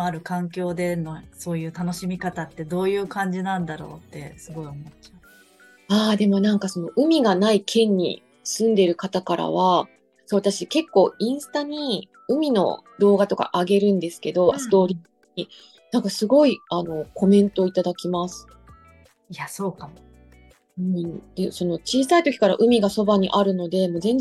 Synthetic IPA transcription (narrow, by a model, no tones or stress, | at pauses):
aɾɯ̟kãŋkʲo̞ːd̪e̞noso̞ːjɯ̟ːt̪ano̞ɕimʲikat̪at̪ːe̞d̪o̞ːjɯ̟ːkãɲ̟d͡ʑinãnd̪aɾo̞ːt̪ːe̞sɨɡo̞iomotːa | aːd̪e̞mo̞nãŋkaso̞no̞ʔɯ̟mʲiɡanaikʰẽ̞ɲ̟ːḭ | sɨ̃nd̪e̞ɾɯ̟kat̪akaɾa̰β̞a | soːβat̪aɕike̞kːo̞ːĩɰ̃sɨ̥t̪aɲ̟i | ɯ̟mʲino̞̰d̪o̞ːɡat̪o̞ka̰ʔaɡe̞ɾɯ̟̃nd̪e̞sɨ̥ke̞d̪o̞sɨ̥t̪o̞ːɾʲiː | ɲi | nãŋkasɨɡo̞iano̞kʰo̞mẽ̞nt̪o̞ːit̪ad̪akʲimasɨ̥ | jasoːkam | ɯ̟̃ɴd̪̥e̞so̞no̞t͡ɕiːsait̪o̞kʲi̥kaɾa̰ʔɯ̟mʲiɡaso̞baɲ̟ḭʔaɾɯ̟no̞d̪e̞mo̞zẽ̞ɲ̟